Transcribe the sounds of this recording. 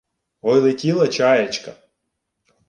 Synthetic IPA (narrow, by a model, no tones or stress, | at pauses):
ɦɔjlˠɪtʲilˠɐt͡ʃɑjɐt͡ʃkɐ